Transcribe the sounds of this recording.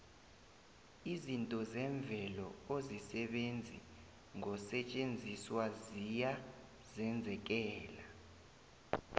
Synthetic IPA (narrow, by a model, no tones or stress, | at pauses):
izintʼɔzɛɱb̪vʱɛlɔozisɛɓend͡zʱḭ | ŋɔsɛt͡ʃʼend͡zʱiswazija | zɛnd͡zʱɛk̬ɛːla